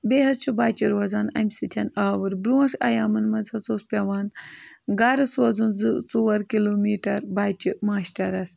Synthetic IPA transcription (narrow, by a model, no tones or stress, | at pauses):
beɦɐd̪̚t͡ʃʰubaːt͡ʃiɾwɐzaːnɐ̰mʲsɨt̪ʰʲɐnaːwɨɾbɾuɐʂɐ̰jaːmɨnmɐnzhɐt͡soːspʲɐʋaːnɡaːɾɨswɐzunzɨsuwɐɾkiloːmiːʈɐɾbaːt͡ʃimaːʃʈɐɾɐs